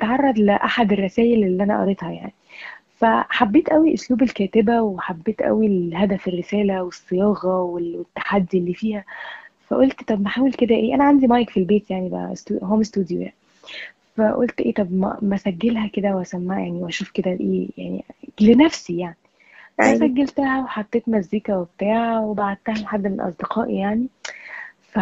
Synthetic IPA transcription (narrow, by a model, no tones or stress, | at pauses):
t̪ʕɑrˤːɑd̪leʔaħad̪erˤːɑsæːjelelːiːʔænæʔɑ̰ɾˤet̪hɑjaʕnifæħabːeːt̪ʔæwiʔosluːbelkæːt̪ebæweħabːeːt̪ʔæ̰wilhæd̪æferːesæːlæwesːejɑːɣɑweet̪ːḁħad̪ːilːiːfiːhæfæ̰ʔolt̪t̪ˤɑbmeħaːwelked̪æʔeːʔænæʕand̪imɑːjekfilbeːt̪jaʕnibæ̰st̪uɦoæmest̪uːd̪jo̰ja̰ʕn | fæʔolt̪ʔḛːt̪ˤɑbmæ̰mæsæɡːelhæked̪æweæsæmːæːjaʕniwʔæʃuːfked̪æʔḛːja̰ʕnḭlenæfsijaʕni | ʔæmæsæɡːælt̪æhæweħat̪ˤːeːt̪mæzːiːkæwebet̪aːʕawebaʕad̪̚t̪æhælħad̪ːeelʔɑ̰sˤd̪eqʰɑːʔḭjaʕni | fæ